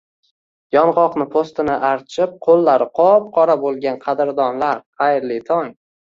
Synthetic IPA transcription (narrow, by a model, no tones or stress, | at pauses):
jɒnʁɒqnɪpʰost̪ɪnɪʔaɾt͡ʃʰɪp̚qʰolˠːaɾɪqʰɒp̚qʰɒɾabolˠɡʲanqʰɑd̪ɪɾd̪ɒnlaɾhajɾlɪt̪ʰɒŋ